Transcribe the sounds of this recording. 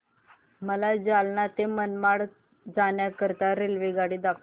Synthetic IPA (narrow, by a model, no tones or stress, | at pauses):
məlad͡zalɳat̪emənmaɽ | d͡zaɳjakəɾt̪aɾelʋiɡaɽiːd̪akʰ